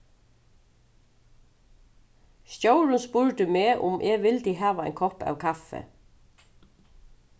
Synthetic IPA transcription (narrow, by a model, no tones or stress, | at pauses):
sjoʊɹʉnspuːɹd̪əmeːʔʊ̰mʔeːʋɪld̪iːɦɑːʋaɛ̰ɪŋkʰɔpɑ̰ːwkʰɑfə̰